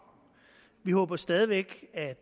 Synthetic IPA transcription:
ʋihɔ̽ːb̥ɐsd̥ɛð̞ˠiʋeɡ̥æd̥

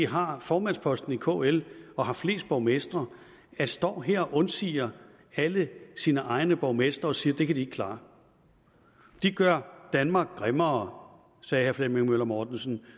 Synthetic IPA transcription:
iɦɑ̈fɒːmænspʰɒ̽sd̥n̩ikʰo̰ːelɒ̽ɦɑ̈fle̝̰ːsd̥̚b̥ɒʊmesd̥ʁɐ | æsd̥ɒ̰ːɦeɐ̰ɒʔɔ̽nsḭːɐ | æləsiːnəʔɑ̈ɪnəb̥ɒʊmesd̥ʁɐɒ̽siːɐd̥e̝kʰæd̥ie̝ɡ̥̚kʰlɑ̈ː | d̥iɡ̥ɶɐd̥ænmɑ̈ːɡ̥̚ɡ̥ʁɛmɐː | sɛːhæɐflemeŋmølɐmɒːd̥n̩sn̩

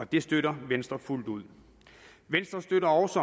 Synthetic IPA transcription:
ɒ̽d̥e̝sd̥øɾɐʋensd̥ʁɐful̰d̥uð̰ˠ | ʋensd̥ʁɐsd̥øɾɐɒʊsɒ̽

